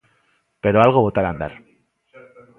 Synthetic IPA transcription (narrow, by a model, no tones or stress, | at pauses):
pe̞ɾo̞alɣ̞o̞βo̞t̪aɾand̪a̰ɾ